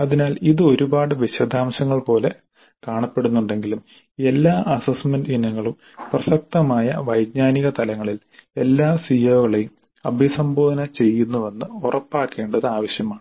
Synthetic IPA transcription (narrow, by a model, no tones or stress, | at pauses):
ɐðinaːliðɨo̞ɾubaːɽɨʋiɕɐd̪aːmɕɐŋːɐɭpo̞ːle̞ | kaːɳɐpːe̞ɽunːuɳɖe̞ŋɡilum | e̞lːaːʔɐsɐsmendinɐŋːɐɭum | prɐsɐk̚t̪ɐmaːjɐ̰ʋɐjd̪ɲaːniɣɐt̪ɐlɐŋːɐɭil | e̞lːaːsijoːɣɐɭejum | ɐbʱjɐsɐmboːd̪ɐnɐt͡ɕe̞jːunːuʋɐnːɨurɐpːaːkːe̞ːɳɖɐðɨaːʋɐɕjɐmaːɳɨ